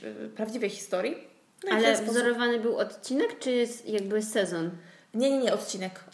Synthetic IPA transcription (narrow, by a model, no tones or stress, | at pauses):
pɾavd͡ʑivɛjxʲi̥st̪ɔɾʲji | nalɛvvzɔɾɔvanɘbɘwɔt̪t͡ɕinɛkt͡ʂɘsjaɡ̚bɘsɛzɔn | ɲɛɲɛɲɛɔt̪̚t͡ɕinɛk